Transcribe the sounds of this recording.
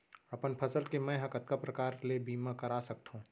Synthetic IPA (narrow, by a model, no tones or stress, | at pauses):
ɐpənpʰɐsəlkemɛ̃ɦɐkət̪kapɾɐkaːɾlebʱiːmãkɐɾaːsɐk̚t̪ɦũː